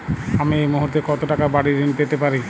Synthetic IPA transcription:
amiejmuɦuɾt̪ekɔt̪oʈakabaɽiɾinpet̪epaɾi

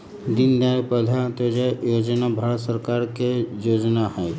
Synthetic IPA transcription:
d̪ɪnd̪aɾpɛlat̪od͡ʒejoːd͡ʒnabʱaːɾət̪səɾkaːɾkejoːd͡ʒnaɦɛː

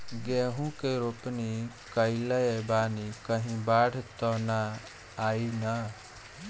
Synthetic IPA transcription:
ɡeɦũkeɾopni | kəiləjebaːnikəɦĩbaɽ̤ʱt̪ɔnaː | ina

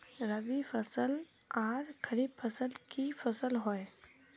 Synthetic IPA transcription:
ɾəʋifʰəsəl | aːɾkʰəɾiːbfʰəsəlkifʰɐsəlɦoe

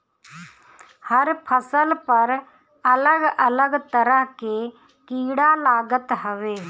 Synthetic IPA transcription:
həɾpʰəsəlpɐɾ | ələɡələɡt̪əɾəɦkeː | kiːɽalaːɡət̪ɦəʋeː

